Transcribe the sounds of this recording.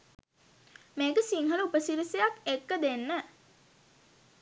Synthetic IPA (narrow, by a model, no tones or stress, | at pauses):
meːkəsiŋɦələupəsiɾisejakekːəd̪enːə